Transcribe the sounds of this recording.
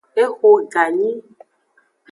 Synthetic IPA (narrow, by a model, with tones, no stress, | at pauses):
e˦xo˦ɡa˨ɲi˦